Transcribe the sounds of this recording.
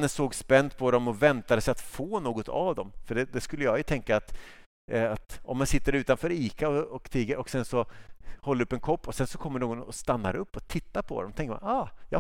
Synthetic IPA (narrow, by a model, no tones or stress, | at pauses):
nːənsoːɡspɛnd̪̚pʰɔd̪ɔmɔvɛnt̪ad̪əsɛɪjat̪foːnoːɡɔt̪ʰa̰vd̪ɔmfœɖɛd̪ɛskɵlːəjɑːjɵt̪ʰɛŋkaːt̪ | at̪ɔ̰mːansɪt̪ːəɾʉ̟ːt̪anfœːɾiːkaɔɔkt̪ʰiːɡəɾɔksɛnsɔhɔlːəɾɵpːɛnkʰɔpːɔsɛnsɔkʰɔmːəɳoːɡɔnɔst̪anːa̰ɾɵpːɔt̪ʰɪt̪ːaɾpʰɔd̪ɔ̰mt̪ʰɛŋkəma̰nɑːjɑ